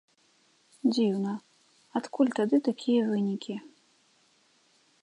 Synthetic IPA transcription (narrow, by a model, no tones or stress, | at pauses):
d͡zʲiwnɐ | at̪kulʲt̪ad̪ɨt̪akʲʰijɐvɨnʲikʲi